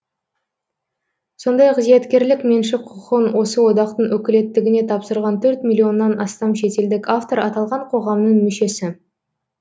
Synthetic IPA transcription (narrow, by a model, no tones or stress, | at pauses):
so̞nd̪ɑjqʰəzijet̪kʲe̞ɾlɪkmenʃɪqʰːʊqənwo̞səwo̞d̪ɑqt̪əɴʔɵkʲɪle̞t̪ːɪɡʲɪne̞t̪ʰɑpsəɾʁɑnt̪ʰɵɾt̪mʲilʲːio̞nːɑnɑst̪ɑmʃe̞t̪e̞ld̪ɪkaft̪o̞ɾɑt̪ɑlˠʁɑɴqʰo̞ʁɑmnəɴmʏʃe̞sɪ